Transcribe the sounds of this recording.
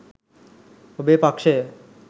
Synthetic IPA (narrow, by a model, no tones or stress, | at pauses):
obepakʃe